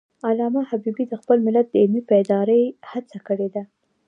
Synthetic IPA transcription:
alɑmahabibid̪əxpəlmɪlat̪̚d̪əɪlmipəɪd̪ɑɾəjhat͡sakəɽed̪a

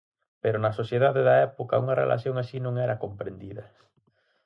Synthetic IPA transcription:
peɾonɐsoθjeðaðeðɐɛpokɐ̰uŋɐrḛlʔa̰θjoŋasinõŋɛɾɐkompɾend̪iðɐ

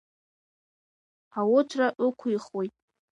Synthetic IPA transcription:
awʊt͡ʃʷʰraʔʊkʷʰiχwojtʼ

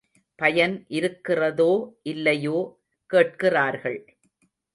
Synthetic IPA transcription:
pɐjɐnʔɪɾɯkːɪrɐðoːʔɪlːɐjoː | keːʈ̚kɪraːɾɣɐɭ

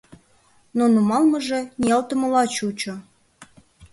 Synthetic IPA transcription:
nonumɑlməʒeniɑlt̪əməlɑt͡ɕut͡ɕo

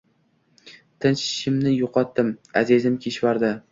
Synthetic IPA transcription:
t̪ʰɪnʃʃɪmnɪjʊqʰɒt̪ːɪmazizɪmkʲʰeʃvaɾd̪ɪ

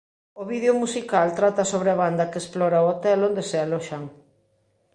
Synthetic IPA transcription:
oβiðeomusikalt̪ɾat̪ɐsoβɾeaβand̪ɐkeesplɔɾaoot̪ɛlond̪esealɔʃaŋ

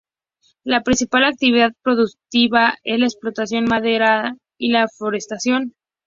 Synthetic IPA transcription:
lapɾinsipalak̚t̪iβiðaðpɾo̞ðuk̚t̪iβaezlaeksplo̞t̪asjo̞nmaðe̞ɾa | ilafo̞ɾe̞st̪asjo̞n

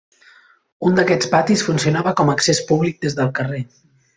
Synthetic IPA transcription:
und̪əkɛt͡spat̪isfunsiunaβəkɔməksespuβlik̚d̪ezðəlˠkəre

